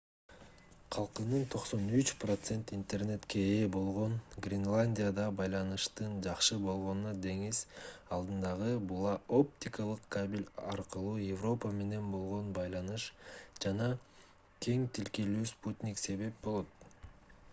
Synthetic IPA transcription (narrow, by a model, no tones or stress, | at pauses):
qʰɑlˠqɯnɯnt̪ʰo̞qso̞nyt͡ʃprot̪se̞nt̪int̪e̞rne̞t̪ke̞eːbo̞lˠʁo̞nɡrʲɪnlˠanʲdʲijad̪ɑbɑjlˠɑnɯʃt̪ɯnd͡ʒɑqʃɯbo̞lˠʁo̞nnɑd̪e̞ŋizɑlˠd̪ɯnd̪ɑʁɯbulˠɑo̞p̚t̪ʲikəlˠɯqkabʲilʲɑɾqɯlˠuːjevro̞pəme̞ne̞nbo̞lˠʁo̞nbɑjlˠɑnɯʃd͡ʒɑnɑ | kʲʰe̞ŋt̪ilkelyːsput̪ʲnʲikse̞βe̞p̚bo̞lˠo̞t̪̚